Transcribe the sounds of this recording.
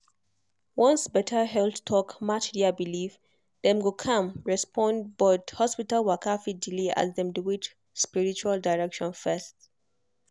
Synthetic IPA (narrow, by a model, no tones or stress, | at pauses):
wɔ̃nsbɛtʰəɦɛltʰɔkmatdabilif | dɛ̃mɡokʰãmɹɛspʰɔ̃nd̚bɔthɔspitalwakʰafidileʔa̰zðɛ̃mduwit͡ʃ | spiɹit͡ʃualdaɪɹɛkʃɔ̃nfɛst